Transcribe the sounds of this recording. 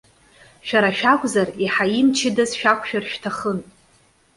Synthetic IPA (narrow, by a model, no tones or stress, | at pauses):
ʃᶣaɾaʃᶣakʷʼzariħaimt͡ʃʰɪdazʃᶣakʷʰʃᶣarʃᶣtʰaχən